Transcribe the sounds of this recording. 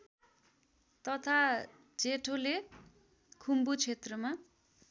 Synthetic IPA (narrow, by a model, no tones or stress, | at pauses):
t̪ʌt̪ʰa | d͡zeʈʰole | kʰumbut͡sʰet̪rʌma